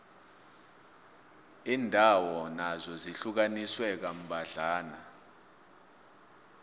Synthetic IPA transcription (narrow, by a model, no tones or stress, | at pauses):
iːndʱawɔnazɔziɬuk̬aniswɛk̬am̩ɓʱaɮaːna